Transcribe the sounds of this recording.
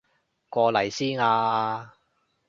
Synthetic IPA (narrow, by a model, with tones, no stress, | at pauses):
kʷɔː˧lɐ˨˩jsiː˥naː˧aː˧